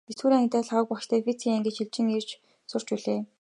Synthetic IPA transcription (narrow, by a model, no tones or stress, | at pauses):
esxuːɾiːŋt̪æːɮaʁə̆k̚pɔʃt̪ʰæːfit͡sʰiŋæŋɡʲɘ̆t͡ɕxiɮt͡ɕɪ̆ŋer̥t͡ɕ | sʊr̥t͡ɕpuɮeː